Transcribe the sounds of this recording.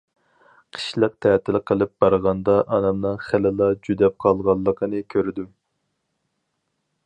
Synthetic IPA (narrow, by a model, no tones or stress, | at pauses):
qʰə̥ʃlˠəq̚t̪ʰɛːt̪ʰɪlˠqʰəlˠɪp̚b̥ɑɾʁɑnd̪ɑʔɑnɨmnɨŋχælɪlˠɑd͡ʒyd̪ɛp̚qʰɑlˠʁɑlˠːəqʰənɨkʲʰøɾɪd̪u